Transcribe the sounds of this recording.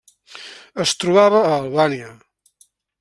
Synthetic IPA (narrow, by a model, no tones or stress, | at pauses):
əst̪ɾuβaβəːlˠβaniə